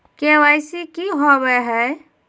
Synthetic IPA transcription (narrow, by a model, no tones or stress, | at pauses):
kewajsikiɦɔβɛɦə